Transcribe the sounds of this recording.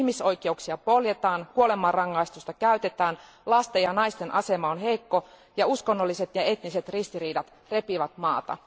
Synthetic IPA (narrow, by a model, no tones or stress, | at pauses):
hmiso̞jk̟euksiɑpo̞ljet̪ɑːnkuole̞mɑrɑŋːɑist̪ust̪ɑkæyt̪et̪æːn | lɑst̪ejɑnɑist̪e̞nʔɑse̞mɑonɦe̞jkːo̞ | jɑuskonːolːiset̪jɑe̞t̪nise̞t̪rist̪iriːdɑt̪ | re̞piʋɑt̪mɑːt̪ɑ̰